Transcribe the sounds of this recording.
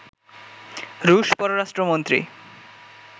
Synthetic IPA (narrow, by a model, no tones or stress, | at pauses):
ɾuʃpɔɾoɾaʃʈɾomont̪ɾḭ